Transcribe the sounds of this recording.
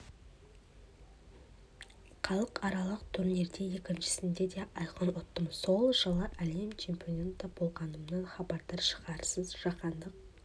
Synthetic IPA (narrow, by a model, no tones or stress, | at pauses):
χɑlˠəqɑɾɑlˠəqt̪ʰuɾne̞ɾd̪e̞je̞kʲɪnʃɪ̥sɪnd̪e̞d̪e̞ʔɑjqənʊt̪ːəmso̞lˠʒəlˠəʔæle̞mt͡ʃʰemʲpʲionont̪əb̥o̞lˠʁɑnəmnɑnχɑbɑɾd̪ɑɾʃə̥ʁɑɾsəzʒɑqɑnd̪əq̚